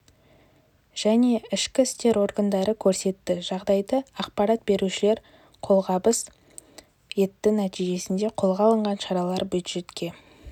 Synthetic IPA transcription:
ʒ̥æne̞ɪʃkʲɪɪst̪e̞ɾo̞rɡənd̪ɑɾəkʲʰɵɾse̞t̪ːɪʒɑʁd̪ɑjd̪əɑqpɑɾɑt̪̚be̞ɾuʃɪle̞ɾ | qʰo̞lˠʁɑbəs | je̞t̪ːɪnæt̪ijʒe̞sɪnd̪e̞qʰo̞lˠʁɑlˠəɴʁɑnʃɑɾɑlˠɑɾbjud̪ʒ̥e̞t̪kʲʰe̞

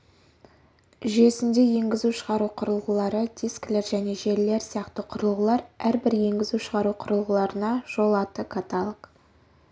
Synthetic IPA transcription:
ʒe̞sɪnd̪e̞je̞ŋɡʲɪzuʃəʁɑɾuqʰʊɾəlˠʁəlˠɑɾəd̪iskle̞ɾʒæne̞ʒe̞ɾle̞ɾsijɑqt̪əqʰʊɾəlˠʁəlˠɑɾæɾbɪɾje̞ŋɡʲɪzuʃəʁɑɾuqʰʊɾəlˠʁəlˠɑɾənɑʒ̥o̞lˠɑt̪əkʰat̪alˠək

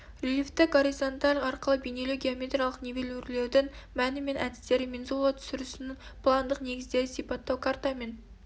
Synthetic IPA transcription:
rʲelʲift̪ɪɡo̞ɾizo̞nt̪alʲɑɾqəlˠəbejne̞lɪɡʲeomʲet̪ɾʲijalˠəqnevelʲurle̞wd̪ɪŋmænɪme̞nʔæd̪ɪ̥st̪e̞ɾɪmenzulˠat̪ʰʏ̥sɪɾɪsɪnɪŋpʰlˠɑnd̪əqne̞ɡʲɪzd̪e̞ɾɪsipɑt̪ːɑwkʰɑɾt̪ɑme̞n

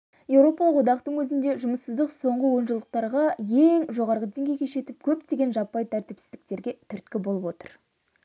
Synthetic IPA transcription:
je̞wɾo̞pɑlˠəqwod̪ɑqt̪əɴwɵzɪnd̪e̞ʒʊməsəzd̪əqso̞ɴʁəwo̞nʒəlˠd̪əq̚t̪ɑɾʁɑje̞ŋʒo̞ʁɑɾʁəd̪e̞ŋɡʲe̞jkʲʰejʃe̞t̪ɪp̚kʲʰɵpt̪e̞ɡʲenʒɑpːɑjt̪ʰæɾt̪ɪpsɪzd̪ɪk̚t̪e̞ɾɡʲe̞t̪ʰʏɾt̪kʲɪbo̞lˠəpwo̞t̪ə̥ɾ

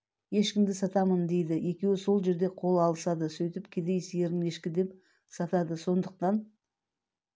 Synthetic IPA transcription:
je̞ʃkʲɪmd̪ɪsɑt̪ɑmənd̪e̞jd̪ɪje̞kʲe̞wɪso̞lˠʒe̞ɾd̪e̞qʰo̞lˠɑlˠəsɑd̪əsɵjt̪ɪpkʲʰed̪ejsɪjeɾɪe̞ʃkʲɪd̪e̞p | sɑt̪ɑd̪əso̞nd̪əq̚t̪ɑn

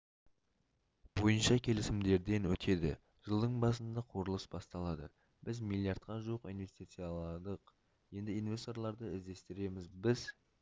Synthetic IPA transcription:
b̥o̞jənʃɑkʲʰe̞lɪsɪmd̪e̞ɾd̪e̞nwɵt̪ʰe̞d̪ɪ̰ | ʒ̥əlˠd̪əɴbɑsənd̪ɑqʰo̞ɾəlˠəsbɑst̪ɑlˠɑd̪ə̰ | b̥ɪzmilʲˠijaɾt̪̚qɑʒuwəqinve̞st̪it̪sɨjalˠɑd̪əq | je̞nd̪ɪinve̞st̪o̞ɾlˠɑɾd̪əɪzd̪e̞st̪ɪɾe̞mɪzbɪz

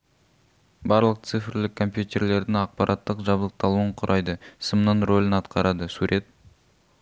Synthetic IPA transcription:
bɑɾlˠəq̚t̪sɨfɪɾlɪkʰːo̞mpjut̪ʲe̞ɾle̞ɾd̪ɪŋɑq̚pɑɾʔɑt̪ːəqʒɑblˠəq̚t̪ɑlˠuwəɴqʰʊɾʔɑjd̪əsəmnəɴro̞lʲɪnɑt̪qɑɾɑd̪əsuɾʔe̞t̪̚

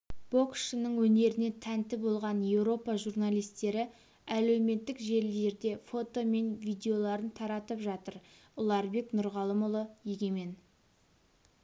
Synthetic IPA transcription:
b̥o̞kʃənəɴwɵne̞ɾɪne̞t̪ʰænt̪ɪbo̞lˠʁɑnje̞wɾo̞pɑʒurnalʲˠijst̪e̞ɾɪ | æle̞wme̞t̪ːɪkʒe̞ld̪e̞ɾd̪e̞fo̞t̪o̞me̞nvijd̪ʲe̞o̞lˠɑɾənt̪ʰɑɾɑt̪əpʒɑt̪əɾ | ʊlˠɑɾbe̞knʊɾʁɑlˠəmʊlˠəje̞ɡʲe̞me̞n

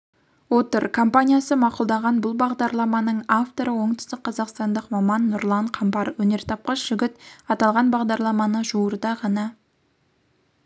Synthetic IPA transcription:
wot̪əɾkʰo̞mpanʲijasəmɑqʊlˠd̪ɑʁɑnbʊlˠbɑʁd̪ɑɾlˠɑmɑnəɴaft̪o̞ɾəwo̞ɴt̪ə̥st̪ɪk̚qʰːɑzɑqst̪ɑnd̪əqmɑmɑnːʊɾlˠɑɴqʰɑmpɑɾwɵne̞ɾt̪ʰɑp̚qɑsʒ̥ʏɡʲɪt̪ɑt̪ɑlˠʁɑnbɑʁd̪ɑɾlˠɑmɑnəʒuəɾd̪ɑʁɑnɑ

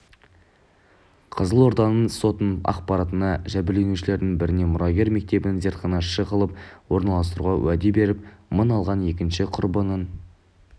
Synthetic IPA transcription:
qʰəzəlˠwo̞ɾd̪ɑnənso̞t̪ənɑ̰qpɑɾɑt̪ənɑʒæbɪle̞nuʃɪle̞ɾd̪ɪŋbɪɾɪne̞mʊɾɑɡʲe̞ɾme̞k̚t̪e̞bɪnɪŋze̞ɾt̪̚qənɑʃəʁəlˠəp̚wo̞ɾnɑlˠɑst̪əɾuʁɑwʔæd̪e̞be̞ɾɪp̚mənɑlˠʁɑne̞kʲɪnʃɪqʰʊɾbənən

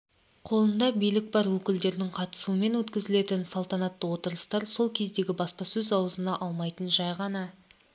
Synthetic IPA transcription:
qʰo̞lˠənd̪ɑbijlɪk̚bɑɾwɵkʲɪld̪e̞ɾd̪ɪŋqʰɑt̪ə̥suəme̞nwɵt̪kʲɪzɪle̞t̪ɪnsɑlˠt̪ɑnɑt̪ːəwo̞t̪əɾəst̪ɑɾso̞lˠkʲʰe̞zd̪e̞ɡʲɪbɑspɑsɵzɑwəzənɑʔɑlˠmɑjt̪ənʒɑjʁɑnɑ

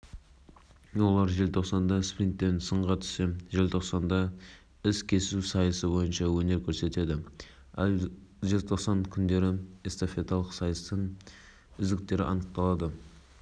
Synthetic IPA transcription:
wo̞lˠɑɾʒe̞lt̪ʰo̞qsɑnd̪ɑsprint̪ːe̞nsəɴʁɑt̪ʰʏ̥se̞ʒe̞lt̪ʰo̞qsɑnd̪ɑ | ɪskʲʰe̞sɪusɑjəsəbo̞jənʃɑwɵne̞ɾkʲʰɵɾse̞t̪e̞d̪ɪ | æ̰lˠʒelt̪ʰo̞qsɑŋkʲʰʏnd̪e̞ɾɪest̪ofe̞t̪ɑlˠəqsɑjəst̪əɴ | ʏzd̪ɪk̚t̪e̞ɾɪʔɑnəq̚t̪ɑlˠɑd̪ə

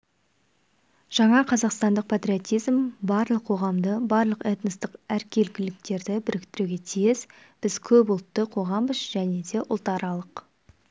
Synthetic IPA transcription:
ʒ̥ɑɴɑqʰɑzɑqst̪ɑnd̪əq̚pʰat̪ɾʲiot̪ijzmbɑɾlˠəqʰːo̞ʁɑmd̪əbɑɾlˠəqet̪nəst̪ɪqæɾkʲʰe̞lkʲɪlɪk̚t̪e̞ɾd̪ɪbɪɾɪkt̪ɪɾuɡʲe̞t̪ʰijɪs | b̥ɪzkʲʰɵpʊlˠət̪ːəqʰo̞ʁɑmbəzʒ̥æne̞d̪e̞ʔʊ̰lˠt̪ɑɾɑlˠəq

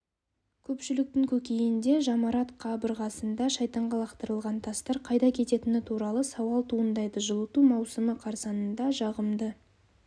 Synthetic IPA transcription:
kʲʰɵpʃɪlɪk̚t̪ɪŋkʲʰɵkʲe̞jɪnd̪e̞ʒɑmɑɾɑt̪qʰɑbəɾʁɑsənd̪ɑʃɑjt̪ɑɴʁɑlˠɑqt̪əɾəlˠʁɑnt̪ʰɑst̪ɑɾqʰɑjd̪ɑkʲʰe̞t̪e̞t̪ɪnɪt̪ʰuɾɑlˠəsɑwɑlˠt̪ʰuənd̪ɑjd̪əʒəlˠət̪umɑwsəməqʰɑɾsɑnənd̪ɑʒɑʁəmd̪ə

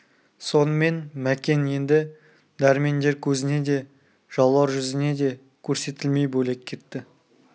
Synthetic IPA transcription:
so̞nəme̞nmækʲe̞nje̞nd̪ɪ | d̪æɾme̞nd̪e̞ɾkʲʰɵzɪne̞d̪e̞ | ʒ̥ɑlˠːɑɾʒʏzɪne̞d̪e̞ | kʲʰɵɾse̞t̪ɪlme̞jbɵle̞k̚kʲʰe̞t̪ːɪ

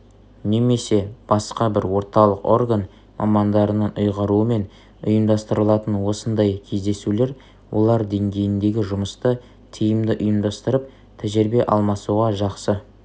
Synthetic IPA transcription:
ne̞me̞se̞b̥ɑsqɑbɪɾwo̞ɾt̪ɑlˠəqo̞rɡan | mʔɑ̰mɑnd̪ɑɾənɑnʔʊjʁɑɾuəme̞n | ʊjəmd̪ɑst̪əɾəlˠɑt̪ənwo̞sənd̪ɑjkʲʰe̞zd̪e̞sule̞ɾ | wʔo̞̰lˠɑɾd̪e̞ŋɡʲe̞jɪnd̪e̞ɡʲɪʒʊməst̪ə | t̪ʰijəmd̪ɪʔʊjəmd̪ɑst̪əɾəp̚ | t̪ʰæʒɪɾbe̞ʔɑlˠmɑsuʁɑʒɑqsə

